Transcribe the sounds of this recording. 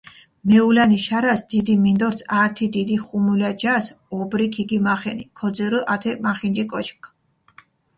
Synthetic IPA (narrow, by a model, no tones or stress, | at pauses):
mɛulaniʃaɾasd̪̥id̪imind̪ɔɾsʰaɾt̪ʰid̪id̪iχumulad͡ʒas | ɔbɾikʰiɡimaχɛnikʰɔd̪ziɾɨʔat̪ʰɛmaχind͡ʒikʼɔt͡ʃʰkʼ